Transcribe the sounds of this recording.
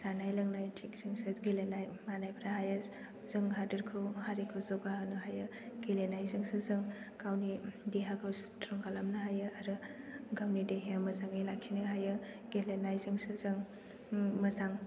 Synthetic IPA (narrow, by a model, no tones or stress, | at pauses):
z̥anajlɐŋnajtʰikz̥ɯŋsɯɡelenajmanajbʰɾaɦaja | z̥ɯŋɦadɯɾkʰɯwhaɾikʰɯwzɔɡahɯnɯɦajɯɡelenajzɯŋsɯzɯŋ | kawnidiɦaɡʰɯwstɾɔŋɡalamnɯɦajɯaɾɯɡawmnideɦeamɐzaŋɯjlakʰinɯɦajɯ | ɡ̥elenajzɯŋsɯzɯŋ | mɐzaŋ